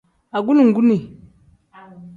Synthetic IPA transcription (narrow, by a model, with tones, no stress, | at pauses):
a˨ɡu˦nu˨ŋ̩˨ɡu˦ne˨